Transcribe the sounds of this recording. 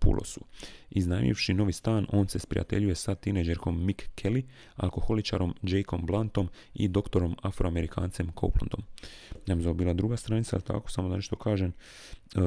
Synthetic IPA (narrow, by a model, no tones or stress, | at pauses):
pṵlʔo̰suiznaj̰mʎḭʋʃino̞ʋist̪aːno̞ːnse̞spɾḭja̰t̪e̞̰ʎuje̞sat̪ined͡ʒeɾko̞mːikːʰeli | a̰lko̞xo̞lit͡ʃa̰ɾo̞md͡ʒejko̞mblˠant̪o̞mḭd̪o̞kt̪o̞ɾo̞mafɾʔoame̞ɾikʰa̰ːnt̪se̞mkʰo̰wplond̪o̞̰mnamzabiːlˠad̪ɾuɡast̪ɾaːnit̪saalit̪a̰ko̞̥samoane̞ʃt̪o̞kʰaːʒem